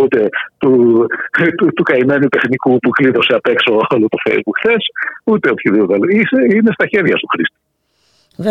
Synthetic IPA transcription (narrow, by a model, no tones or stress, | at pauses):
ut̪e̞t̪u | t̪ut̪ukɐime̞nut̪e̞xnikupukliðo̞seɐpe̞kso̞olot̪o̞fḛjzbukxθe̞sut̪e̞opçiðipot̪ɐloiseinest̪ɐçe̞ɾʝɐst̪uxɾist̪i̥